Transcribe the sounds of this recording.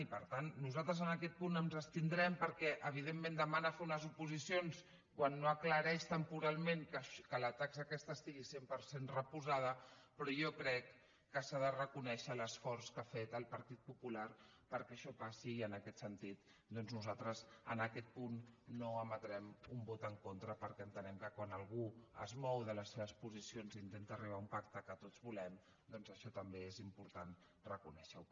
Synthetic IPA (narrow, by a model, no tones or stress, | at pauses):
ipəɾt̪anːuzalt̪ɾəzənəkɛt̪̚punəmzəst̪ind̪ɾɛmpəɾkɛʔəβ̞ið̞emːẽnd̪əmanəfeunəzupuzisions | kwanːoəkləɾɛʃt̪əmpuɾalˠmeŋkəʃkələt̪akzəːkɛst̪əːst̪iɣisempəɾsenrəpuzað̞əpɾɔjɔkɾɛkː | əsaðərəkunɛʃələsfɔɾskafet̪əlˠpəɾt̪it̪̚pupulaɾpəɾkɛːʃɔpasiːənəkɛt̪sənt̪it̪̚ | d̪ɔnznuzalˠt̪ɾəzənəkɛt̪̚punːoəmət̪ɾɛmumbot̪əŋkont̪ɾəpəɾkɛənt̪ənɛmkəkwanəlˠɣuə̰zmɔwðələsːeβəspuzisionzint̪ent̪əriβ̞aumpakt̪əkət̪odd͡zβulɛm | d̪ɔnzəʃɔt̪əmbeezimpuɾt̪an | rəkunɛʃəw